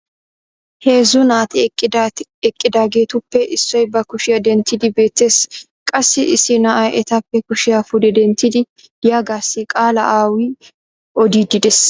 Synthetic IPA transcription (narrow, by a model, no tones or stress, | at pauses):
he̞ːzʊnaːt̪ɪɪd̪ɛkʼːɪd̪aːɡe̞ːt̪ʊpːɛʔɪsːɔjbɐkʊʃɪjɐd̪ɛnt̪ːɪd̪ɪbe̞ːt̪ːe̞ːs | kʼɐsːɪʔɪsɪnɐʔɐjʔɛt̪ɐpːɛkʊʃɪjafʊd̪ɛd̪ɛnt̪ːɪd̪ɪ | jaːɡaːsːɪkʼaːlɐ̰ʔaːwɪ | ʔɔd̪iːd̪ɪd̪ɛs